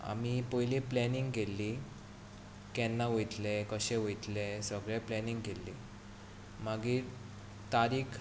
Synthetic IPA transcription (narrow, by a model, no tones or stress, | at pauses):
a̰mipojlĩplɛniŋɡkelːi | kɛnːaʋojt̪lekəɕeʋojt̪lesəɡɭeplɛniŋɡkelːḭ | maɡiːɾ | t̪aɾiːkʰ